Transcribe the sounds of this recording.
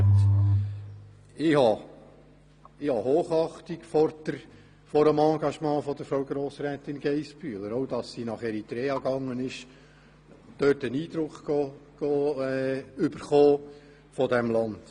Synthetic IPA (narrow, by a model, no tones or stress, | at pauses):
ɪhɑ | ɪhɑhoːχɑχt̪ikfɔɾdəɾ | fɔɾəmɑ̃ːɡɑʃmɑ̃ːfɔd̥̪əɾfɾoʊɡɾoːsɾɛːt̪ɪnɡ̥ɛɪspyːləɾowd̥ɑsːinɑχɛɾit̪ɾɛːɑɡɑŋːənɪʃ | d̪̥øtəniːd̥̪ɾʊkχɡɔɡ̥ɔ | ʏb̥əɾχoː | fɔdɛmlɑnd̥